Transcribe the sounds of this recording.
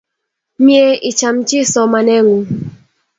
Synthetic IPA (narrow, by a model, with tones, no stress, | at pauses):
mje˦i˨t͡ʃa˨mt͡ʃɪ˦sɔ˨ma˨nɛ˦ŋu˨